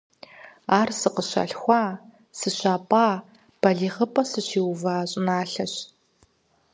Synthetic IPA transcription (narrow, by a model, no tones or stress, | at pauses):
aːrsɨqəɕɐ̰ɬxʷɑː | sɨɕʷaːpʼaː | b̥ɐɮiːʁəpʼɐsɨɕiːwvaːɕʼɪnaːɬɐɕ